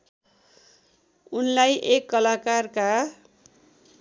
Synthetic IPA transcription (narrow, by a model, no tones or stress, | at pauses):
unlajʔekːʌlakarka